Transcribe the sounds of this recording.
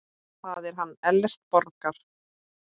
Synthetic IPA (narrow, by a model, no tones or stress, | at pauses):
θaðɛɾ̥ɦanːɛlːɛst̪̚pɔɾkaɾ̥